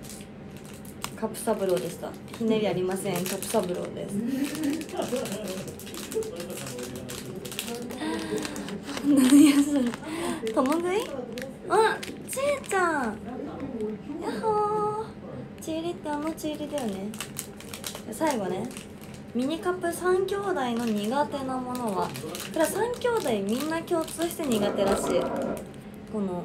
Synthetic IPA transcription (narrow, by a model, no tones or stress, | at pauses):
kapːɯ̟̥sabɯ̟ɾo̞ːd̪e̞sɨ̥t̪a̰ | çineɾʲiaɾʲimasẽ̞ŋkapːɯ̟sabɯ̟ɾo̰ːd̪e̞̰sɨ̥ | sonajasɨt̪omõɡɯi | a | t͡ɕit͡ɕã | jaho | t͡ɕiːɾʲit̪ːe̞ano̞t͡ɕiːɾʲid̪ajone̞ | jasaiɡo̞ne̞ | mʲiɲ̟ikapːɯ̟sãŋkʲo̞ːd̪aino̞ɲ̟iɡat̪e̞namo̞no̞βakɯɾasãŋkʲo̞ːd̪aimʲĩnːakʲo̞ːt͡sɨːɕi̥t̪e̞ɲ̟iɡat̪e̞ɾaɕiː | ko̞no̞